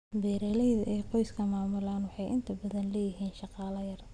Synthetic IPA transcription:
bɛːɾɛːlɛjðɐʔɛːqɔjskʰɐmaːmʊlaːnwɑħɑjʔɪ̰nt̪ʰɐbɐðɐnlɛːjɪɦiːnʃɑqɑːlɐjɐr

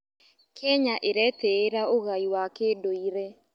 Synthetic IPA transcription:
kʰɛɲaʔeɾɛtɛːɾaoɣaiwakeːdoiɾɛ

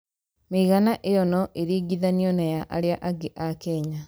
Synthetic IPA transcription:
meiɣanaʔejɔnɔʔeɾiːɡiðaniɔnajaʔaɾeaʔaɡeʔakɛɲa

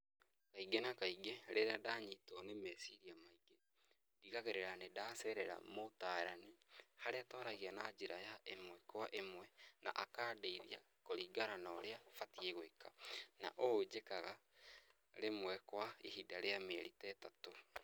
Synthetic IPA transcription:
kaiɡenakaiɡeɾeɾadaɲiːtɔnemesiɾiamaiɡe | diɣaɣeɾeɾanedaːsɛɾɛɾa̰motaːɾanihaɾeatɔːɾaɣianad͡ʑeɾajaʔemwɛkwaʔemwɛna̰ʔakaːdeiðia̰ | koɾiːɡaɾanaɾeafatieɣoekana̰ʔod͡ʑekaɣa | ɾemwɛkwaihidaɾeameɛɾitɛtato

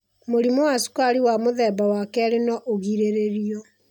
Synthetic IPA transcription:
moɾimɔwasu̥kaɾiwamoðɛːbawakɛɾenɔʔoɣiɾeɾeɾiɔ

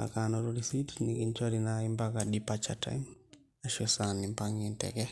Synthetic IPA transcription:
a̰kanɔɾɔɾisitnikiɲt͡ʃɔɾinaimbakaɗipat͡ʃata̰jm | aʃɔsanimpaŋɛntɛ̰kɛ

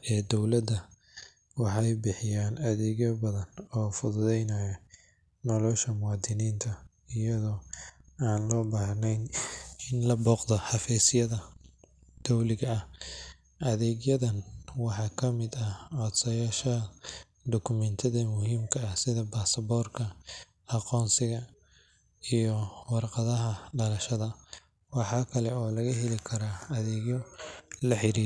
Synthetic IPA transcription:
ɛːd̪ɔwlɐd̪ɐ | wɑħɑjbɪħɪjaːnɐðɛːɡjɐbɐðɐnɔːfʊðʊðɛjnɐjɐ | nɔlɔːʃɐmʊwɑːd̪ɪniːnt̪ʰɐ | ɪjɐðɔːaːnlɔːbaːhnɛjnɪnlɐbɔːqd̪ɔħɑfɛːsɪjɐðɐ | d̪̥ɔwlɪɣɐɐh | ʔɐðɛːɣjɐðɐnwɑħɑːkʰɐmɪd̪ɐʕɔːd̪sɐjaːʃɐ | d̪ɔkʰʊmɛnt̪ʰɐðɐmʊhiːmkʰɐɐsɪðɐbaːsɐbɔːrkʰɐ | ɑqɔːnsɪɣɐ | ijɔwɑrqɑðɐɦɐɖɐlɐʃɐðɐ | wɑħɑːkʰɐlɛɔːlɐɣɐɦɛlɪkʰɐɾaɐðɛːɣjɔlɐħɪɾiː

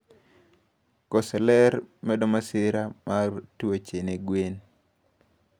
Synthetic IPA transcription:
kɔsɛlɛɾmɛdɔmasɪɾamartot͡ʃeneɡwen

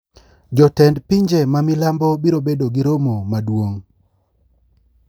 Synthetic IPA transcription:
d͡ʒɔtɛndpiɲd͡ʒemamilambobiɾobedoɡiɾomomadwoŋ

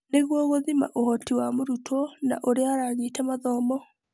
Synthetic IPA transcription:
neɣwɔɣoðima̰ʔohɔtiwamoɾutʰɔna̰ʔoɾeaɾaːɲitamaðɔmɔ

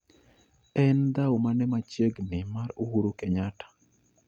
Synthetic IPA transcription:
ɛnd̪aomanɛmat͡ʃeɡnɪmaɾohuɾokɛɲatḁ

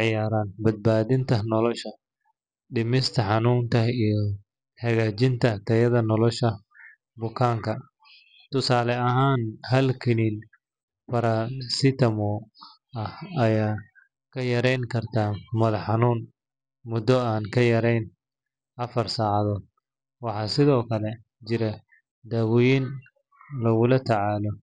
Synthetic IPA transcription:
ʕɪjaːɾaːnbɐd̪̚baːðɪnt̪ʰɐnɔlɔʃɐ | ɖɪmɪst̪ʰɐħɑnuːnt̪ʰɐijɔ | ħɐɣaːt͡ʃɪnt̪ʰɐt̪ʰɐjɐðɐnɔlɔʃɐ | bʊkʰaːŋkʰɐ | t̪ʊsaːlɛɐɦaːnɦɐlkʰɪliːn | fɐɾasɪt̪ʰɐmɔ | ɐhɐjaː | kʰɐjɐɾɛjŋkʰɐrt̪ʰaːmɐlɐħɑnuːn | mʊd̪ɔaːnkʰɐjɐɾɛjn | ʔɐfɐrsaːʕɑðɔːd̪̚ | wɑħɑːsɪðɔːkʰɐlɛ | t͡ʃɪɾɐ | d̪ɐwʊjin | lɐɣʊlɐt̪ʰɐʕɑːlɔ

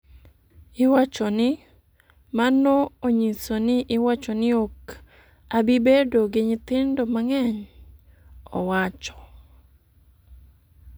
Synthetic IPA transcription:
ɪwat͡ʃɔnɪ | manɔoɲisonɪʔɪwat͡ʃɔnɪok | abɪbedoɡɪɲɪt̪ɪndomaŋɛɲ | ɔwat͡ʃɔ̥

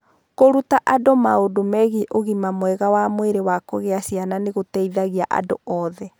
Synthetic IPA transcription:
koɾutaʔadomaodomɛɣiʔoɣimamwɛɣawamweɾewakoɣeasiananeɣotɛiðaɣiaʔa̰do̰ʔɔðɛ

